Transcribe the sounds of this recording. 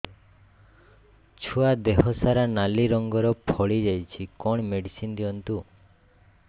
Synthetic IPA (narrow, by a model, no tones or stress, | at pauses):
t͡ʃʰuad̪eɦɔsaɾanaliɾɔŋɡɔɾɔpʰɔɭid͡ʒajt͡ʃʰikɔɳ̃meɽisind̪iɔnt̪u